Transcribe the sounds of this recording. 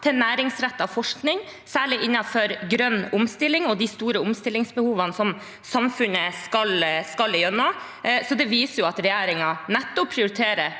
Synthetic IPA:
t̪ʰɛnæːɾɪŋsɾɛt̪ːɑʋfɔʂknɪŋ | sæːɭɪʔɪnːɑfɔɾɡɾœnːʊmst̪ɪlːɪŋɔd̪ɪst̪uːɾəʊmst̪ɪlːɪŋsbəhuːʋɑnsɔm | sɑmfʉnəskɑlskɑljœnːɑ | sɔd̪ɛʋiːsəɾjʊɑt̪ɾɛjæːɾɪŋɑnɛt̪ːɔpʰɾɪʊɾɪt̪ʰeːɾə

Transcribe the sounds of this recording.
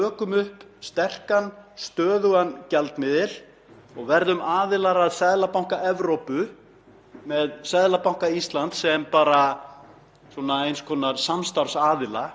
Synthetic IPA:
œːkʏmʏhpst̪ɛr̥kanst̪œːðʏɣancalt̪mɪðɪl | ɔɣvɛɾðʏmaːðɪlaɾaðsɛðlapawŋ̥kaʔɛvɾowpʏ | mɛðsɛðlapawŋ̥kaist̪lant̪sɛmpaːɾa | sɔnaejnskʰɔːnaɾsamst̪aɾsaːðɪla

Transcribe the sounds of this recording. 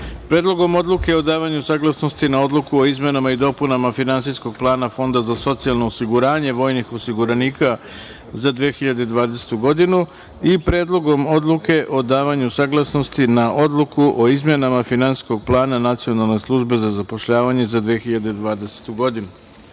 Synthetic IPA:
pɾeːd̪lˠo̞ɡo̞mo̞d̪lˠuke̞o̞d̪aːʋaɲusaːɡlˠasno̞st̪inao̞d̪lukuo̞izme̞namaid̪o̞punamafinansisko̞ɡ̚plˠaːnafo̞nd̪azaso̞t̪sialˠno̞ːsiɡuɾaːɲe̞ʋo̞ːjnixo̞siɡuɾaniːkʰa | zad̪ʋexiʎad̪e̞d̪ʋaːd̪ese̥t̪uɡo̞d̪inu | ipɾeːd̪lˠo̞ɡo̞mo̞d̪lˠuke̞ʔo̞d̪aːʋaɲusaːɡlˠasno̞st̪inaʔo̞d̪lukuʔo̞izmje̞namafinansi̥sko̞ɡ̚plˠaːnanat̪sijo̞nalˠne̞slˠuʒbe̞zazapo̞ʃʎaːʋaɲe̞zad̪ʋexiʎad̪ed̪ʋaːd̪ese̥t̪uɡo̞d̪inu

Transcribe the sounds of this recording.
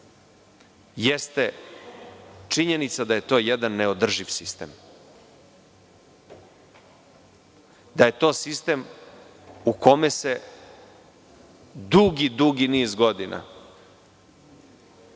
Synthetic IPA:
jest̪e | t͡ʂiɲe̞nit̪sad̪aje̞t̪o̞ːjɛd̪anːeo̞d̪r̩ʒiʋsist̪e̞̰m | d̪aje̞t̪o̞ːsist̪e̞m | ukʰomese̞ | d̪uɡid̪uɡiniːzɡod̪inʔa̰

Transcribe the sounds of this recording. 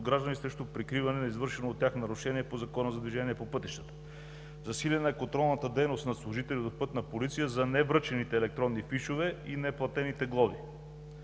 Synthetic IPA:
ɡɾaʒd̪ənisɾɛʃt̪opɾikɾivɐnɛnɐizvɤɾʃɛnoːt̪ːʲjaxnɐɾʊʃɛniɛpozɐkɔnəzɐd̪vʲiʒɛniɛpopɤt̪iʃt̪ə̥t̪ə̥ | zɐsilʲɛnəɛkont̪ɾɔlˠnət̪əd̪ɛjnost̪nɐslˠʊʒit̪ɛliot̪d̪opɤt̪nɐpolit̪sijəzɐnɛvɾɤt͡ʃɛnit̪ɛːlɛk̚t̪ɾɔnːifiʃovɛinɛplˠɐt̪ɛnit̪ɛɡlˠɔvḭ

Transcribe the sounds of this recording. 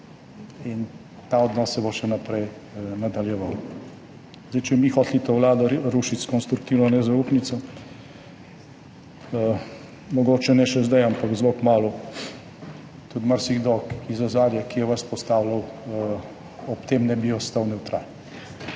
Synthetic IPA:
in | t̪aɔd̪nɔːsɛboʃɛnapɾɛj | nad̪aljɛʋaw | zd̪ɛjt͡ʃɛmixɔːt̪lit̪owlaːd̪ɔɾuːʃit̪skɔnst̪ɾuk̚t̪iwnɔnɛzauːpnit̪sɔ | mɔɡoːt͡ʃɛnɛʃɛzd̪ajampakzlokmaːlu | t̪ut̪maɾsiɣd̪ɔkizɔzaːɾjakijɛʋaspɔst̪aːwlɐw | ɔpt̪eːmnɛbiɔst̪awnɛwt̪ɾaːn

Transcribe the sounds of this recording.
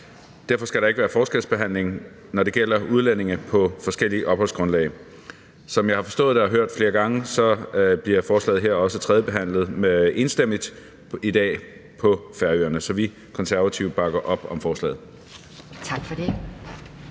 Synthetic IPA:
d̥æɐfɒ̽sɡ̥æɾɑe̝ɡ̥əʋæːɐfɒːsɡ̥elsb̥e̝ɦæn̰le̝ŋ | nɒɾe̝ɡ̥el̰ɐuð̞ˠlene̝ŋəpʰɒ̽fɒ̽sɡ̥el̰iʔɒ̽b̥hɒ̽l̰sɡ̥ʁɔ̽nlɛ̰ːɪ | sɒ̽mjɑ̈ɪhɑ̈fɒ̽sd̥ɔ̰̽ːð̞ˠd̥eɒɦøɐ̰d̥fle̝ːɐɡ̥ɑ̈ŋəsɒ̽b̥liɐfɒːslɛ̰ːð̩ˠɦeɐ̰ɒ̽sət͡sʰʁɛð̞ˠjəb̥e̝ɦæn̰lð̩ˠme̝nsd̥em̰lid̥ | id̥ɛ̰ː | pʰɒ̽fæɐy̰ɐnəsɒ̽ʋi | kʰɒ̽nsæɐʋæt͡sʰiʊ̰̥b̥ɑ̈ɡ̥ɐʔɒ̽b̥ɒ̽mfɒːslɛ̰ːð̩ˠ | t͡sʰɑɡ̥fɒd̥e

